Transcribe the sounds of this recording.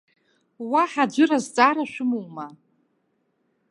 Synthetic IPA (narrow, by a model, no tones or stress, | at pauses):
waħad͡ʒʷɨrazt͡sʼaːɾaʃʷᶣʊmuwma